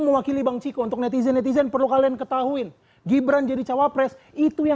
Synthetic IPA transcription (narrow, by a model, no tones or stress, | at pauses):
ŋməwakilibaŋt͡ʃikount̪ʊknɛt̪izɛnːɛt̪̬izɛnpərlukaliankət̪aɦuɪn | ɡibɾand͡ʒadit͡ʃawapɾɛs | it̪uja